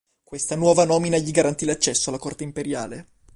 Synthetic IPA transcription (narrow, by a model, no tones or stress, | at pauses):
kwest̪anwɔːvanɔːminaʎiɡaɾant̪ilat͡ʃːɛsːoalːakort̪eimpeɾjaːle